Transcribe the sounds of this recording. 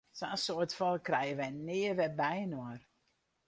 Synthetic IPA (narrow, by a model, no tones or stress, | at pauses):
sasoətfɔlˠkrɛjəʋɛjnɪəʋɛbɛjnoər